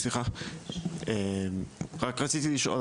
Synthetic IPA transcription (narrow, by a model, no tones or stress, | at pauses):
sliχa | emʁakʁat͡sit̪iliʃʔo̰